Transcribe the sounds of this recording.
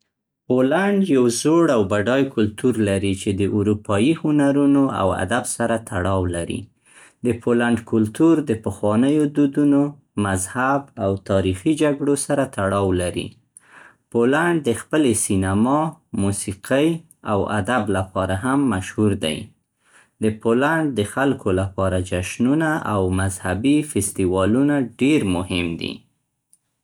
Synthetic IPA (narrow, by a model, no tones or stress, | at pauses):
polaɳɖjawzoɽawbaɖɑjkʊlt̪uɾlaɾit͡ʃed̪əʔuɾupɑjihʊnaɾunoa̰wa̰d̪absaɾat̪ʰaɽɑwlaɾḭ | d̪əpʰolaɳɖkʊlt̪uɾd̪əpəxwɑnəjod̪ud̪uno | mazhabawt̪ɑɾixid͡ʒaɡɽosaɾat̪aɽɑwlaɾḭ | polaɳɖ̚d̪əxpəlesinamɑmusiqʰəj | awa̰d̪ablapɑɾaɦamːaʃhuɾd̪a̰j | d̪əpolaɳɖ̚d̪əxalkʰolapɑɾad͡ʒaʃnunaʔawmazhabifɪst̪iwɑlunaɖeɾmʊhɪmd̪ḭ